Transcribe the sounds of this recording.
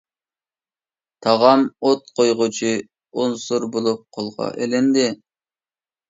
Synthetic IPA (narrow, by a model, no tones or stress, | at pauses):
t̪ʰɑʁɑmot̪̚qʰojʁʊt͡ʃʰi | onsuɾbolˠup̚qʰolˠʁɑ̰ʔelɛnd̪ɪ